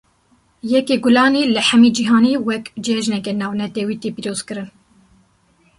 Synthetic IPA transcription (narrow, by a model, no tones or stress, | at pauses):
jɛkeɡʊlɑːneːlɨħɛmid͡ʒiɦɑːnewɛkd͡ʒɛʒnɛkɛnɑːvnɛt̪ɛwiːt̪epiːɾoːz̥kɨɾɨn